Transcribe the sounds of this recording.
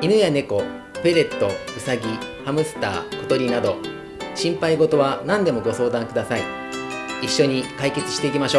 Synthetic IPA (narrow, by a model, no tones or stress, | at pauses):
inɯ̟jane̞ko̞ | pe̞ɾe̞t̪ːo̞isaɡʲihamɯ̟sɨ̥t̪a̰ːko̞t̪o̞ɾʲinad̪o̞ | ɕĩmpaiɡo̞t̪o̞βanãnd̪e̞mo̞ɡo̞so̞ːd̪ãŋkɯd̪asai | iɕːo̞ɲ̟ikaike̞t͡sɨ̥ɕi̥t̪e̞ikʲimaɕo̞ː